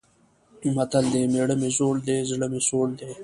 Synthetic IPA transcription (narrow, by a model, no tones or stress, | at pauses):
mɐt̪əld̪eːmeːɽəmezoːld̪eːzɽəmesoːld̪eː